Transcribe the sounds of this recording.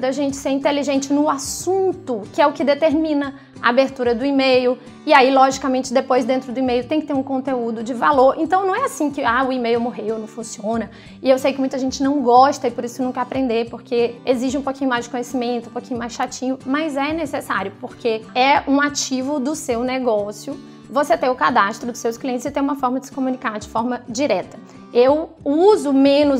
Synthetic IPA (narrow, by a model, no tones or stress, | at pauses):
d̪aʒẽnt͡ʃɪ̥seɾĩnt̪eliʒẽnt͡ʃɪnʊasũnt̪ʊkɪɛʊkɪd̪et̪eɾmĩnɐ | a̰abeɾt̪uɾɐd̪ʊimejʊ | ɪailɔʒikamẽnt͡ʃɪd̪epojzd̪ẽnt̪ɾʊd̪ʊimejʊt̪ẽj̃kɪt̪eɾũkõnt̪eud̪ʊd͡ʒɪvaloɾẽnt̪ɐ̃w̃nɐ̃w̃ɛasĩkɪaʊimejʊwmoɦewonɐ̃w̃fũsiõnɐ | ɪewsejʊkɪmũj̃t̪ɐʒẽnt͡ʃɪnɐ̃w̃ɡɔʃt̪ɐɪpoɾisʊenũkɐapɾẽnd̪epoɾkeeziʃɪũpokʲĩɲʊmajzd͡ʒɪkõɲesimẽnt̪ʊũpokĩɲʊmajsʃat͡ʃĩɲʊmɐzɛnesesa̰ɾjʊpoɾkeɛũat͡ʃivʊd̪ʊsewnɛɡɔsjʊ | voset̪ẽʊkad̪ast̪ɾʊd̪ʊsewskliẽnt̪ɪzɪt̪ẽj̃ũmɐfɔɾmɐd͡ʒɪsɪ̥komũnikaɾd͡ʒɪfɔɾmɐd͡ʒiɾɛt̪ɐ | ew | uzʊmẽnʊ